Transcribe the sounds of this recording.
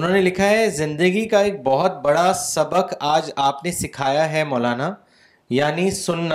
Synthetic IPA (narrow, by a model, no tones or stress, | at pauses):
ʊnɦõːnelɪkʰaɦɛzɪ̃nd̪əɡikaeːk̚bɔɦʊt̪̚bɐɽasɐbəkaːd͡ʒaːpnesɪkʰaːjaɦɛmɔːlaːna | jaːnisʊnːa